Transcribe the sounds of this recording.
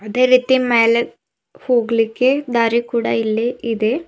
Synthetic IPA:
ɐd̪eɾit̪ːimeːlɐ | huːɡɭikʲːɨd̪ɐɾikːuɽajilːeiðɨ

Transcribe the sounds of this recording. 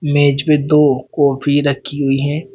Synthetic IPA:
meːd͡ʒbẽd̪oːkɔːpʰiɾəkʰːiɦʊiɦɛ̃ː

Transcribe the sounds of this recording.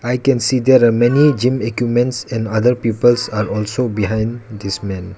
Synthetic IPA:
ajkɛ̃nsid̪ɛɾamɛnid͡ʒĩmekjupmẽntsɛ̃nad̪əɾpipəlsaɾɔlsobiɦãjnd̪ismɛ̃n

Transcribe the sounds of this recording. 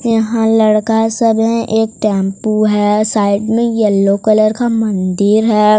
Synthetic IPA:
jɐɦãlɐɽkasəbɦɛ̃ʔeːk̚ʈɛ̃ːmpuɦɛːsaːɪɖmẽjəlːokələɾkamɐ̃nd̪ɪɾɦɛː

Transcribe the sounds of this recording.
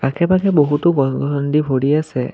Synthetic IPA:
kakʰɛbakɛboɦutʊɡɔɡɔɔndibʱoɽiasɛ̰

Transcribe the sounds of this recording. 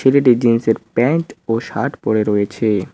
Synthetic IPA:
eleʈid͡ʑinseɾpɛnʈoʃa̰ʈpoɽeɾɔjet͡ɕʰe

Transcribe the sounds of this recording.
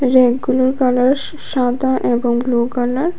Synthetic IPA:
ɾeɡulaɾkalaɾ | ʃãt̪aʔeboŋblukalaɾ

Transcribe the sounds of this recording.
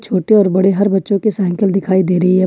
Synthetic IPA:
t͡ʃʰoːʈeɔːɾbɐɽeɦɐɾbɐtːʃõkesɛ̃ːŋkəld̪ɪkʰaːid̪eːɾɐɦiɦɛː

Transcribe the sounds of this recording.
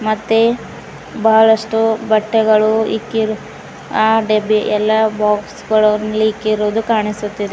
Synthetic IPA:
mɐt̪ːe | bɐɦɐɭɐʂʈubɐʈːɛɡɐɭuḭkːiɾu | aːɖebiʔɛlːɐbaːksɡɐɭɐnliikːiɾoːd̪ukaːɳisut̪ːid̪e

